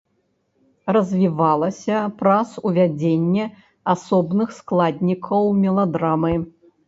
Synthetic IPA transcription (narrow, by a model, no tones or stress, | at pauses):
rɐzʲvʲivalˠɐsʲɐpɾɐsuvʲad͡zʲenʲːɛ | asɔbnɨxsklˠad̪ʲnʲikʰɐwmʲɛlˠɐd̪ɾamɨ